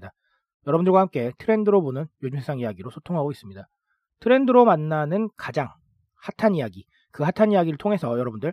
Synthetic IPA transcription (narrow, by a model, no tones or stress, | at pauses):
da | jʌɾʌbundɯɭɡwahamk͈e̞tʰɯɾe̞ndɯɾobonɯnjod͡ʑumsʰesʰaŋiaɡiɾosʰotʰoŋɦaɡois͈ɯmɲida | tʰɯɾe̞ndɯɾomanːanɯnkad͡ʑaŋ | hatʰanijaɡi | kɯhatʰaɲijaɡiɾɯɭtʰoŋɦe̞sʰʌjʌɾʌbundɯɭ